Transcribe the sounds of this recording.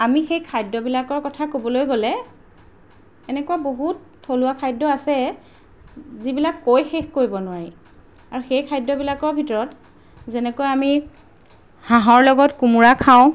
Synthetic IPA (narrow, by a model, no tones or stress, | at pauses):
amixejkʰajdːɔbilakɔɹkɔtʰakobɔlojɡolɛ | ɛnɛkuwaboɦutːʰolʊakʰajdɔasɛ | zibilakːojxexkoɹibɔnʊwaɹi | aɹuxejkʰajdːɔbilakɔɹbʱitɔɹɔt | zɛnɛkojami | hãɦɔɹlɔɡɔtkumuɹakʰaʊ̃